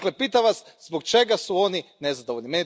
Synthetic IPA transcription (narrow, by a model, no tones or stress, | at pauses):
klepiːt̪aʋas | zbokt͡ʃe̞ɡasuo̞ninezad̪o̞ʋoʎʲnimeni